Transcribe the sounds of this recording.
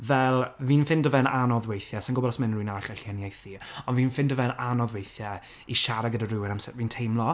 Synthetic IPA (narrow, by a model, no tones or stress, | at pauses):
vɛlˠviːnfɪndəvɛnanɔðwejθjɛsɪnŋɡʊbɔlˠɔsmɪnrwiːnaɬɛɬiɛniejθiɔnviːnfɪndəvɛnanɔðwejθjɛ | iʃaɾaɡədarɪwɪnamsɛviːntʰejmlˠɔ